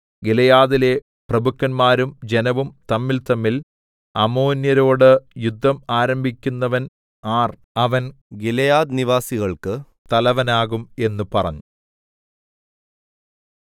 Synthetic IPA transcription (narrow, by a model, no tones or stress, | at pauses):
ɡilɐjaːðile̞ | prɐbukːɐnmaːɾumd͡ʑenɐʋumt̪ɐmːilt̪ɐmːil | ɐmoːnjɐɾo̞ːɽɨjud̪ʱːɐmaːɾɐmbʱikʲːunːɐʋɐn | aːr | ɐʋɐn | ɡilɐjaːd̪niʋaːsiɣɐɭkɨ | t̪ɐlɐʋɐnaːɣume̞nːupɐrɐ̰ɲːu